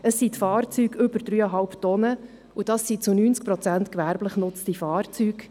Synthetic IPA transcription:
əsːit̪fɑːrt͡syːɡʏbəɾdɾyːɑɦɑlpt̪ɔnə | ud̥ɑsːit͡sunyːnt͡sk̚pɾɔt͡sænt̪kʋæɾbləχnʊt͡stifɑːrt͡syːɡ

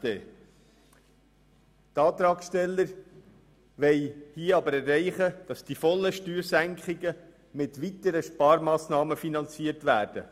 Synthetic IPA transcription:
eː | tɑːt̪ɾɑːksʃtɛlːəɾ | ʋɛɪhiəɑbəɾɛrːɛɪχəd̥ɑsd̥ifɔlːəʃtyːɾsæŋkχɪɡə | mɪtʋit̪əɾəʃpɑːɾmɑːsnɑːməfinɑnt͡siəɾtʋæːɾd̥ə̰

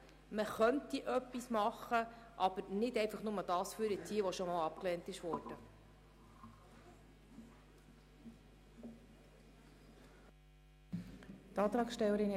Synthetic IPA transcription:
məχœntiʔœpːismɑχə | ʔɑb̥əɾnɪdɛjfɑχnʊməd̥ɑːsfyɾɪtiːəʋɔʃomɑːlɑpklɛːntɪʃʋɔːrd̥ə | tɑːt̪ɾɑːksʃtɛlːəɾɪn

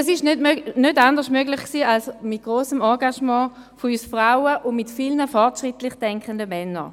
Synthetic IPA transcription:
ɛs̬ɪʃnødmønøtandəʁsmøɡlɪχksiːalsmɪt̚ɡ̥ʁoːsəmɔɐɡaʃmɑ̃ː | foyːsfʁaʊəʔʊnmɪtfilnəfɔʁtʃʁɪtlɪχd̥ɛŋkχəndəmɛnːə̰

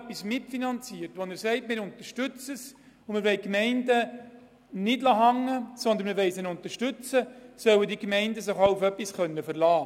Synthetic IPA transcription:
pːismɪtfinɑnt͡siəɾtʋɔnɪsɛɪtmɪːɾʊnt̪əʃtʏt͡səs | ʊməʋɛɪkmɛɪndə | nɪdlɑːɦɑŋːəsɔnd̪ənməʋɛɪsɪnʊntəɾʃtʉt͡səsœwədikmɛɪndəsɪχɑʊufœpːisχœnːəfəɾlɑː

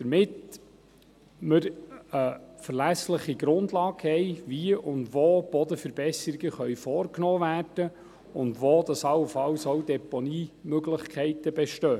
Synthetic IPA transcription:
d̥əɾmɪt | məɾəfərlæsləχiɡɾʊndlɑːɡhɛɪʋiəʔʊndʋoːb̥ɔd̪əfəɾbɛsəɾiɡəχœɥfɔːrknoːvæːrd̥ə | ʊndʋoːd̥̪ɑsɑwəfɑwsoʊdɛponiːmøɡlɪχkʰɛɪtəbɛʃtœː

